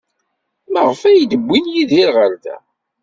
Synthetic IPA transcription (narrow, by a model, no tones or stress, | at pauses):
məʁəfæjd̪əbʷːinjiðiɾʁəɾðæ̰